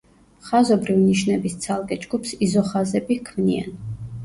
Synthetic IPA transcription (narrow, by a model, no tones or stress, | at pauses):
χazɔbɾivniʃnɛbist̪sʰalˠkʼɛd͡ʒɡupsizɔχazɛbikʰmnia̰n